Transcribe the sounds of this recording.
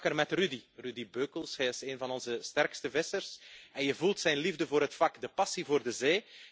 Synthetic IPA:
kərmɛtrydirydibøːkəlˠsɦɛjɪseːnvɑnɔnzəstɛrkstəvɪsərsɛnjəvulˠtsɛjnlivdəvoːɾɦətfɑkdəpɑsivoːrdəzeː

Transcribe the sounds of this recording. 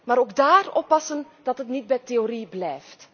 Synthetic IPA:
maːɾoːɡdaːrɔpɑsən | d̥ɑtɦətnid̚bɛjteoɾiblɛjft

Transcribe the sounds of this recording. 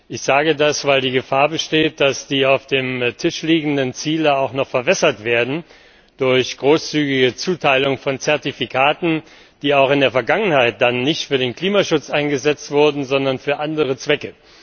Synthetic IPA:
ʔɪçz̥aːɡədasv̥aɪldiːɡəfaːɐbəʃteːt̚d̥asd̥iːaʊfd̥eːmtʰɪʃliːɡŋ̩dənt͡siːləaʊxnɔχfɛɐvɛsɐtv̥eːɐdn̩ | d̥ʊɐçɡ̥ʁoːst͡syːɡɪɡət͡suːtʰaɪlʊŋfɔnt͡sɛɐtifikʰaːtn̩ | d̥iːaʊxɪndeːɐfɛɐɡaŋənhaɪt̚d̥anːɪçtfyːɐdeːnkl̥iːmaʃʊt͡sʔaɪnɡəzɛt͡stv̥ʊɐdn̩zɔndɐnfyːɐʔandəʁ̞ət͡sv̥ɛkə

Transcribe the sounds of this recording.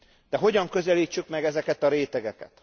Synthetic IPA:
d̪̥ɛɦo̞ɟɒŋkø̞zɛliːt͡ʃːykmɛɡɛzɛkɛt̪ɒɾeːt̪ɛɡɛkɛ̰t̪

